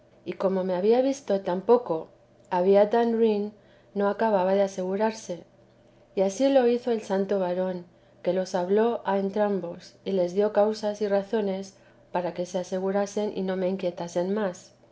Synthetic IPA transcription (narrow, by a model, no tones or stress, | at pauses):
iko̞mo̞me̞aβiaβ̞ist̪o̞t̪ampo̞ko̞ | aβ̞iat̪anrinː | o̞akaβaβaðease̞ɣuɾaɾse̞ | iasilo̞iθo̞e̞lsant̪o̞βaɾo̞ŋ | ke̞lo̞saβlo̞ʔaent̪ɾambosile̞zðjo̞kawsasiraθo̞ne̞s | paɾake̞se̞ase̞ɣ̞uɾase̞nʔḭno̞me̞iŋkje̞t̪ase̞nmas